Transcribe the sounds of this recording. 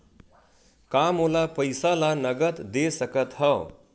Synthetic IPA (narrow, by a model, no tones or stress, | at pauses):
kamolapəjsalanʌɡət̪d̪esəkət̪hʌ